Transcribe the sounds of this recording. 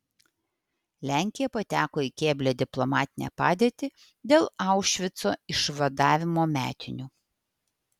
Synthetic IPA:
lʲæˑŋʲkʲɪjɛpɐt̪ʲæːkoːikʲeːbʲlʲed̪ʲɪplˠɔmɑːt̪ʲɪnʲɛ̰pɑːd̪ʲeːt̪ʲɪ | d̪ʲeːlˠɑˑʊʃʲʋʲɪt̪soːɪʃʋɐd̪ɑːʋʲɪmoːmʲæ̰ːt̪ʲɪnʲuː

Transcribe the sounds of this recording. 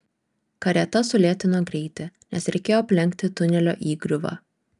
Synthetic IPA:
kɐɾʲɛt̪ɐsʊlʲeːt̪ʲɪnoːɡɾʲɛɪt̪ʲɪnʲɛsɾʲɛɪkʲeːjoːɐpʲlʲɛŋʲkt̪ʲɪt̪ʊnʲɛlʲo̰ːʔiːɡɾʲʊʋɐ̰ː

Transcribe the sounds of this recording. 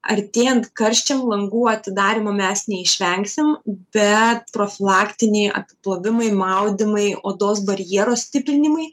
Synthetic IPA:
ɐ̰ɾʲt̪ʲeːjɛnt̪kɐɾʲʃʲt͡ʃʲɛmlˠɐŋɡuːɐt̪ʲɪd̪ɑːɾʲɪmɐmʲɛsnʲɛɪʃʲʋʲɛŋksʲɪmbʲɛt̪̚pɾoːfʲɪlˠɑːkt̪ʲɪnʲɛɪʔɐ̰pʲɪplˠoʋʲɪmɐɪmɐʊd̪ʲɪmɐɪoːd̪oːsbɐɾʲjiɛɾoːssʲt̪ʲɪpʲɾʲɪnʲɪmɐɪ

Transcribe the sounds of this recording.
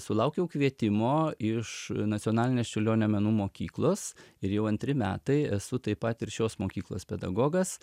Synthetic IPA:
sʊlˠɐʊkʲɛʊkʋʲiɛt̪ʲɪmoːɪʃnɐt͡s̪ʲioːnɑːlʲɪnʲeːst͡ʃʲʊlʲoːnʲɛmʲɛnuːmoːkʲiːklˠoːsɪɾjɛʊɐnʲt̪ʲɾʲɪmʲæ̰ːt̪ɐɪɛsʊt̪ɐɪpɐt̪ɪɾʃʲoːsmoːkʲiːklˠo̰ːspʲɛd̪ɐ̰ɡoːɡɐs

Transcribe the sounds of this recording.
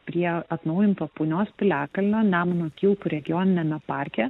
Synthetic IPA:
pʲɾʲiɛɐt̪nɐʊjɪnt̪oːpʊːnʲoːspʲɪlʲæːkɐlʲnʲoːnʲæːmɐnʲoːkʲɪlˠkʊɾʲɛɡʲɪjɔnʲɪnʲɛmʲɛpɑɾʲkʲɛ

